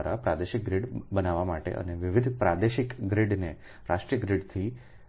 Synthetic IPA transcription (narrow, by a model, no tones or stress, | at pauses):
ɾapɾad̪eʃɪk̚ɡɾiɖbənaʋamaʈḛʔə̰neʋɪʋɪd̪ʱpɾad̪eʃɪkɡɾiɖne | ɾaʂʈɾijəɡɾiɖt̪ʰi